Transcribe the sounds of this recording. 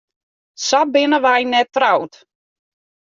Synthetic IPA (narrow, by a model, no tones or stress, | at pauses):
sabɪnəʋajnɛtrawt